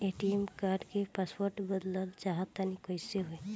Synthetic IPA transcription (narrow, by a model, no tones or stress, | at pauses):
eʈiemkaːɾɖkepaspoɾʈbəd̪ləlt͡ʃaɦət̪ːanikojseɦoe